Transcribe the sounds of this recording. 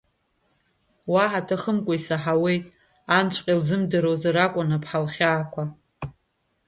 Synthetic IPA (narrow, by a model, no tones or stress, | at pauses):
waħatʰaχəmkʷʼaisaħawe̞jtʼ | ant͡ʃʷʰʼqʲʼilzɨmdaɾowzaɾakʷʼʊnapʰħalχʲaːkʷʰa